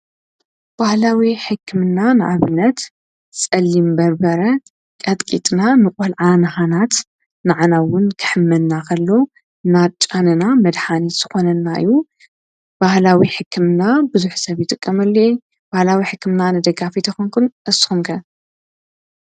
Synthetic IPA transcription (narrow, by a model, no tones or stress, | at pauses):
b̥ahlawiħɨkʰːɨmnanɨʔaβɨnːɐt̪ | sʼɐlːimbɐɾbɐɾɐ | kʼɐt̪ʼkʼit̪ʼnanɨkʼɐlʕanɨxanat̪ | naʕanawʊnkʰɨ̥ħɨmːɐd̪nakʰɐlːo̞ | ɨnat͡ʃʼːanɨnamɐd̪ħaniz̥ɨxo̞nɐnaɨ̰jːu | b̥ahlawiħɨkʰːɨmnabɨzuħsɐβjɪt̪ʼɨkʼːɐmɐlːo | b̥ahlawiħɨkːɨmnanɨd̪ɐɡafit̪ʰɐxonkʰunʔɨsxumkʰɐ